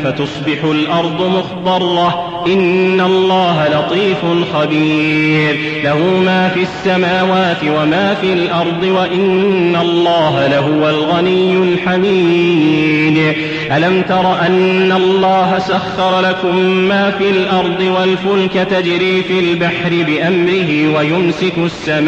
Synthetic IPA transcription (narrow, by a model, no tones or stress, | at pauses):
fat̪ʊsˤbɪħʊlʔɑɾˤd̪ˤʊmʊxt̪ɑrˤːɑ | ʔɪnːalˤːɑːɦalɑt̪ˤiːfʊnxabiːɾ | lahumaːfiasːamaːwaːt̪ɪwamaːfiːlʔɑɾˤd̪ˤɨwaʔɪnːalːɑːɦalaɦʊwalɣanɪjːʊlħamiː | d̪ | ʔalamt̪ɑɾˤɑʔanːalˤːɑːɦasaxːɑɾˤɑlakʊmːaːfiːlʔɑɾˤd̪ˤɨwalfʊlkat̪ad͡ʒɾiːfilbaħɾɪbɪʔamɾɪɦɪwajʊmsɪkʊsːamː